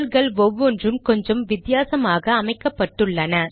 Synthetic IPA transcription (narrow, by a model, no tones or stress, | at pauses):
lɣɐɭʋɔʋːɔndrɯmkɔɲd͡ʒɐmʋɪt̪ːjaːsɐmaːɣɐːmɐɪkːɐpːɐʈːɯɭːɐnɐ